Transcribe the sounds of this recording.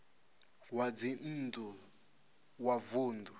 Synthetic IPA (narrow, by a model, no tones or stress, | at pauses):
wad͡zin̩ndu | wavuːndu